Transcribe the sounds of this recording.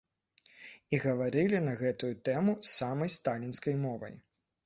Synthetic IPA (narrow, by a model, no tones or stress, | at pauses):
iɣɐvaɾɨlʲinɐɣɛt̪ujut̪ɛmusamɐjst̪alʲinskɐjmɔvɐ̰j